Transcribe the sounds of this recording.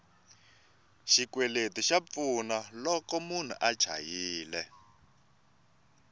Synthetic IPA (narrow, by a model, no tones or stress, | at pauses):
ʃikwɛletiʃap̪funalɔkɔmun̤ṵʔḁt͡ʃʰa̰jiːlɛ